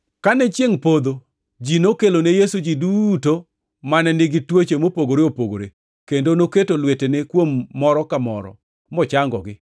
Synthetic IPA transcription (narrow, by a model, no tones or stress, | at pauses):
kanɛt͡ʃjeŋpod̪o | d͡ʒinokelonejesud͡ʒiduto | manɛnɪɡɪtwot͡ʃemopoɡoɾeopoɡo̰ɾe | kendonoketolwetenekwomːɔɾɔkamɔ̰ɾɔ̰ | mɔt͡ʃaŋɡɔ̰ɡɪ